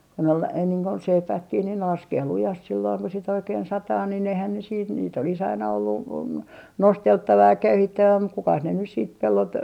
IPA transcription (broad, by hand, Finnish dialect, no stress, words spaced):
kon ol ei niːŋ kun seipæːkːih niːn ne lɑskeː lujɑst silːoːŋ ku sit oikeːn sɑtɑː nin eihæn ne siːt niːt olis ɑinɑ olːu nosteltːɑʋɑ jɑ køyhitːæʋæ muk kukɑs ne nys siːt pelːot